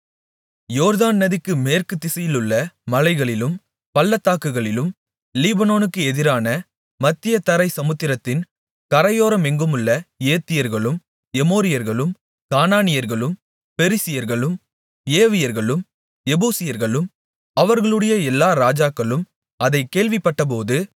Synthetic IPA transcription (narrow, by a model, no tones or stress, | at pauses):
joːɾðaːnːɐðɪkːɯmeːrkɯt̪ːɪsɐjɪlɯɭːɐmɐlɐɪɣɐɭɪlɯm | pɐlːɐt̪ːaːkːɯɣɐɭɪlɯm | liːbɐnoːnɯkːɯɛðɪɾaːnɐ | mɐt̪ːɪjɐt̪ːɐɾɐɪsɐmɯt̪ːɪɾɐt̪ːɪn | kɐɾɐjoːɾɐmɛŋɡɯmɯɭːɐeːt̪ːɪjɐɾɣɐɭɯm | ɛmoːɾɪjɐɾɣɐɭɯm | kaːnaːnɪjɐɾɣɐɭɯm | fɛɾɪsɪjɐɾɣɐɭɯm | eːʋɪjɐɾɣɐɭɯm | ɛbuːsɪjɐɾɣɐɭɯm | ɐʋɐɾɣɐɭɯɽɐjɐɛlːaːɾaːd͡ʒaːkːɐɭɯm | ɐðɐɪkːeːɭʋɪpːɐʈːɐp̬oːðɯ